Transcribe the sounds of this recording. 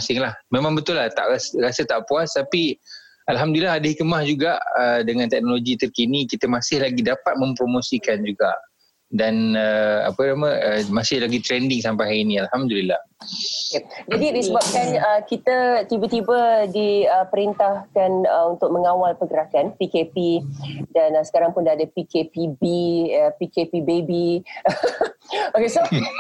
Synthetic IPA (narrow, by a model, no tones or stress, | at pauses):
asɪŋlahmemãŋbət̪ʊlːaht̪a̰ʔasɾasət̪aʔpuast̪api | alɦamdulilːaɦadahikmahd͡ʒuɡaʔədəŋãnt̪ɛk̚noloɡit̪ərkinikit̪əmasɪhlaɡidapat̪̚mə̃mpɾomosikand͡ʒuɡaʔ | danəa̰pənaməəmasɪhlaɡit̪ɾɛndɪŋsampajɦainĩalhamd̪ulilahooked͡ʒadidisəbap̚kanəkit̪ət̪ibət̪ibədiəpəɾint̪ahkanəunt̪ʊk̚məŋawalpəɡəɾakanpikepidansə̥kaɾaŋpʊndaːdəpikepibiəpikepibebi | okeso